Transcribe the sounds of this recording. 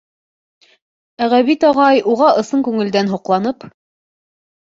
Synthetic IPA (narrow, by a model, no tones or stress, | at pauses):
æʁæβit̪ɑʁɑjuʁɑʔɤ̆sɤŋkʉŋɘ̆ld̪ænɦuqlˠɑnɤp